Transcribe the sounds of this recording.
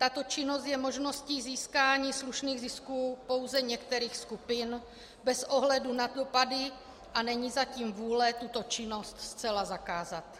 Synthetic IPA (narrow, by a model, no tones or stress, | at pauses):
t̪at̪o̞t͡ʃɪno̞st̪jɛmo̞ʒno̞sciːziːskaːɲiːsluʃniːɣzɪskuːpo̞wzɛɲɛkt̪ɛɾiːxskupɪn | bɛsʔo̞ɦlɛdunadopadɪ | ʔanɛɲiːzaciːmvuːlɛt̪ut̪o̞t͡ʃɪno̞st̪st͡sɛlazakaːzat̪